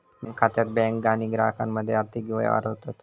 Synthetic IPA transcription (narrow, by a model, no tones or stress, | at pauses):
məŋkʰat̪jat̪̚bɛ̃ŋkɡaniːɡɾa̰ɦəkamːəd̪ʱːjeaɾt̪ʰikʋəja̰ʋa̰ɾɦot̪at̪